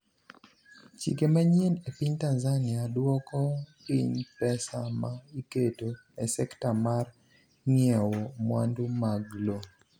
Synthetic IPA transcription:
t͡ʃḭkemaɲenepiɲtanzanɪadwɔkɔpiɲpɛsamaiketo | ɛsɛktamar | ŋiɛwomwa̰ndumaɡlo

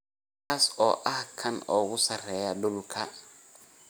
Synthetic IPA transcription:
kʰaːsɔːʔɐhkʰɐnɔːɣʊsɐrɛːjɐɖʊlkʰɐ

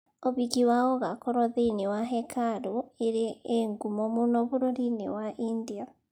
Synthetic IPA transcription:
oβikiwaɔɣakɔɾɔðenewaɦɛkʰaɾoeɾeeŋɡumɔmonɔβoɾoɾinḛwaʔindia

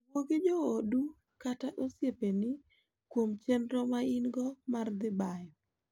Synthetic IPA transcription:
woɡed͡ʒɔodu | kataʔosjepenɪ | kwomt͡ʃenɾɔmaɪnɡɔmard̪ɪbajɔ

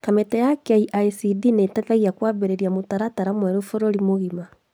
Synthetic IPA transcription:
kametɛjakaiʔaisidinetataɣiakwaːβeɾeɾiamotaɾataɾamwɛɾofoɾoɾimoɣima

